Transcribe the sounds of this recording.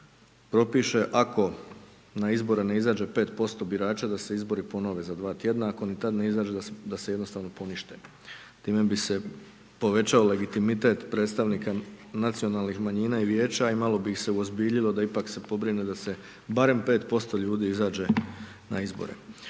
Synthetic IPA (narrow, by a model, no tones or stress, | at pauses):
pɾo̞piʃe̞ʔako̞ | naizbo̞ɾeneizaːd͡ʒe̞pe̞ːt̪po̞st̪o̞biɾaːt͡ʃad̪ase̞izbo̞ɾipo̞no̞ʋe̞zad̪ʋaːt̪je̞d̪naako̞nit̪ad̪ne̞izaːd͡ʒed̪d̪asejd̪nost̪aːʋno̞po̞niʃt̪e̞ | t̪iːme̞bise̞ | po̞ʋe̞t͡ɕaole̞ɡit̪imit̪e̞t̪pɾet̪st̪aʋniːkanat̪sio̞nalˠnixmaɲiːnaiʋje̞ːt͡ɕaimalo̞bixse̞uozbiːʎilˠo̞d̪aipakse̞po̞bɾinud̪ase̞ | baɾe̞mpe̞ːt̪po̞st̪o̞ʎuːd̪iizaːd͡ʒe̞ | na̰izbo̰ɾḛ